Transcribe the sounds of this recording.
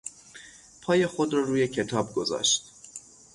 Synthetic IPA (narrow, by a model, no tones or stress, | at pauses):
pʰɒːje̞xod̪ɾɒːɾuːjecʰe̞t̪ʰɒːb̚ɡo̞zɒ̰ːʃt̪